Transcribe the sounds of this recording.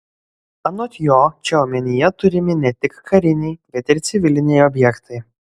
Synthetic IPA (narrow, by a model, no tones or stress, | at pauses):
ɐnɔt̪ʲjoːt͡ʃʲɛɔmʲɛnʲɪjɛt̪ʊɾʲɪmʲɪnʲɛt̪ʲɪkkɐɾʲɪnʲɛɪbʲɛt̪ʲɪɾt̪sʲɪʋʲɪlʲɪnʲɛjɔbʲjɛkt̪ɐɪ